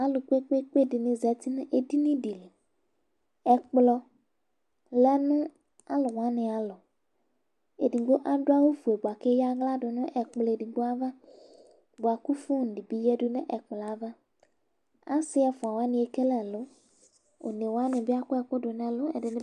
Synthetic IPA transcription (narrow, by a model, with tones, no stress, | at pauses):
a˦lʊ˨k͡pe˦k͡pe˦k͡pe˦˨dɪ˨nɪ̃˨zɛ˨t̪i˦nɪ̃˦ʔe˨di˦nĩ˦di˨le˨ | ɛ˨k͡plɔ˦ | lɛ˦nʊ̃˦ | a˦lʊ˨wa˦nɪ̃˨a˨lɔ˨ | e˨di˨ŋ˦ɡ͡bo˦ʔa˦dʊ˦a˦wo˦fu˨e˨bʊ˨a˨ke˦ja˦ɣla˦dʊ˨nʊ̃˦ʔɛ˨k͡plɔ˨e˨di˨ŋ˦ɡ͡bo˦a˦va˦ | bo˨a˨kʊ˦fʊ˦˨n̩˨di˨bi˦jɛ˦dʊ˦nɪ̰̃˦ʔɛ˨k͡plɔ˨a˨va˦ | a˦sɪ˦ɛ˨fʊ˨a˨wa˦nɪ̃˨e˨ke˦lɛ˨lʊ˦ | o̰˨ne˨wa˦nɪ̃˨bɪ˦a˦kʊ˦ɛ˨kʊ˦dʊ˨nɛ̃˨lʊ˦ɛ̰˨dɪ˨nɪ̃˦